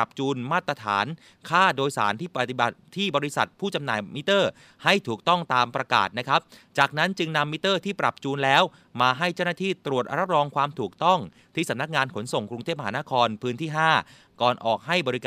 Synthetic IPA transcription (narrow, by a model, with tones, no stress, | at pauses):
a˨˩p̚t͡ɕuː˧nmaː˥˩t̪ɾa˧t̪ʰa̰ː˩˦n | kʰaː˥˩doː˧jsa̰ː˩˦nt̪ʰiː˥˩pa˨˩t̪i˨˩ba˨˩t̪̚ʰːiː˥˩bɔː˧ɾi˦˥sa˨˩t̪̚pʰuː˥˩t͡ɕa˧mnaː˨˩jmi˦˥t̪ɤː˥˩ | ha˥˩jt̪ʰuː˨˩k̚t̪ɔ˥˩ŋt̪aː˧mpɾa˧ka̰ː˨˩t̪̚na˦˥kʰa˦˥p̚t͡ɕaː˨˩k̚na˦˥nt͡ɕɯ˧ŋna˧mːi˦˥t̪ɤː˥˩t̪ʰiː˥˩pɾa˨˩p̚t͡ɕuː˧nlɛː˦˥w | maː˧ɦa˥˩jt͡ɕa˥˩wnaː˥˩t̪ʰiː˥˩t̪ɾu˨˩ət̪̚ʔa˧ɾa˦˥p̚ɾɔː˧ŋkʰwaː˧mt̪ʰuː˨˩k̚t̪ɔ˥˩ŋ | t̪ʰiː˥˩sa˩˦mna˦˥k̚ŋaː˧nkʰo˩˦nso˨˩ŋkɾu˧ŋt̪ʰeː˥˩p̚maɦaː˩˦na˦˥kʰɔː˧npʰɯː˦˥nt̪ʰiː˥˩ɦaː˥˩ | kɔː˨˩nʔɔ̰ː˨˩k̚ɦa˥˩jbɔː˧ɾi˦˥kː